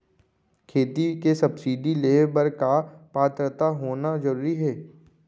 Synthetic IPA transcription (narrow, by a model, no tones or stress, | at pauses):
kʰeːt̪ikesɐbsiːɖileːbəɾkapaːt̪ɾət̪aɦoːnazɐɾuːɾiɦɛː